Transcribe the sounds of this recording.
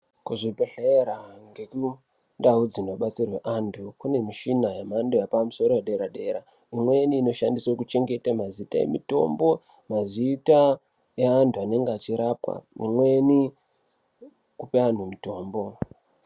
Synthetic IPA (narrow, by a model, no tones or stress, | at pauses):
kuʐipeɬeɾaŋɡe̞ku | ndaud͡zinoɓat͡sirwe̞ʔantʰukune̞miʃinajemandojapamuso̞ɾo̞weɗe̞ɾaɗe̞ːɾa | imwe̞niːno̞ʃandiswokut͡ʃe̞ŋɡe̞tamazita̰e̞̰mito̞̰mbo̞ | mazita | eantʰuane̞ŋɡeat͡ʃiɾaːpwa̰ḭmwe̞ni | kupean̤umito̞ːmbo̞